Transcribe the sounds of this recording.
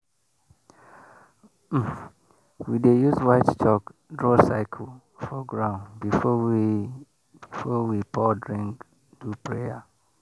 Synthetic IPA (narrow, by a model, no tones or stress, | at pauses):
widejuzwaɪtstʰɔkdɹɔsaɪkʰəl | fɔɡɹãʊ̃nbifɔwi | b̥ifɔwipʰɔdɹĩŋk | d̥upʰɹea